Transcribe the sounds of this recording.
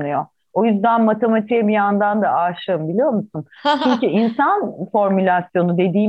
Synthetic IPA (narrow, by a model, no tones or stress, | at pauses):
nɯjo̞ | o̞jyzd̪ænmat̪ʰe̞mat̪ʰijɛbijand̪and̪aaʃˠɯɯmbilʲijo̞ɾmusunt͡ʃʰyɲcyʔinsanfo̞ɾmylʲasjo̞nud̪e̞d̪iː